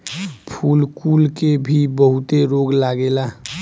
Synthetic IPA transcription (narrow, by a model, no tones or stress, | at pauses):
pʰulkulkebʱibəɦʊt̪eɾoɡlaɡela